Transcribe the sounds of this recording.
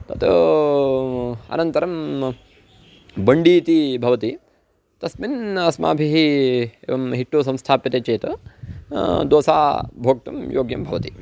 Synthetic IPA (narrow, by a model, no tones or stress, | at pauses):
t̪ɐt̪ | ɐ̰nɐnt̪ɐɾɐm | bɐɳɖiːt̪ibʱɐʋɐt̪i | t̪ɐsminɐsma̰ːbʱiɦieːʋɐmɦiʈːus̬ɐmst̪ʰaːpit̪eːt͡ʃeːt̪ɐ | d̪oːsa̰ːbʱoːk̚t̪ɐmjoːɡjɐmbʱɐʋɐt̪i